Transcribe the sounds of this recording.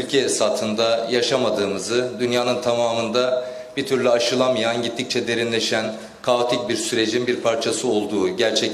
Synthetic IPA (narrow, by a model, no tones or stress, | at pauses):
ylʲcʰɛsat̪ʰɯnd̪ajaʃamad̪ɯːmɯzɯd̪ynjaːnɯnt̪ʰamaːmɯnd̪a | bit̪ʰyɾlʲyaʃɯlˠamɯjanɟit̪ʰːic̚t͡ʃʰɛd̪e̞ɾinlʲeʃæn | kʰaot̪ʰic̚biɾsyɾe̞d͡ʒinbiɾpʰaɾt͡ʃʰasɯo̞lˠd̪uːɟæɾt͡ʃʰɛc